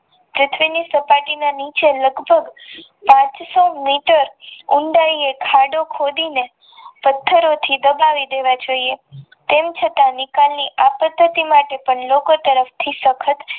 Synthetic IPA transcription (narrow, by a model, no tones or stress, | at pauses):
pɾʊt̪ʰʋinisəpaʈinanit͡ʃeləɡbʱəɡ | pãt͡ʃsomiʈəɾʊɳɖaɾiekʰaɖokʰod̪ine | pət̪ʰːəɾot̪ʰid̪əbaʋid̪eʋad͡ʒoie | t̪emt͡ʃʰət̪anɪkalniʔapəd̪ʱːət̪imaʈepəɳlokot̪əɾəft̪ʰisəkʰət̪